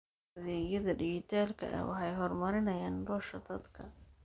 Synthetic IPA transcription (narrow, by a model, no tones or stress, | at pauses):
ðɛːjɐðɐɖɪt͡ʃɪt̪ʰaːlkʰɐ̰ʔɐ̰wɑ̰ħɑjɦɔrmɐɾɪnɐjaːnbɔːʃɐd̪ɐd̪kʰɐ